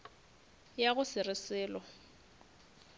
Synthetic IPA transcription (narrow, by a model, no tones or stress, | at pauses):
jaɣʊsɪrɪsɪːlɔ